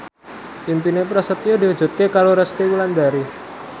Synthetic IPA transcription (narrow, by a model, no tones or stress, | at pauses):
impinepɾasət̪ijodiɦud͡ʒṳt̪̚kekaɾoɾɛst̪iwuland̪aɾi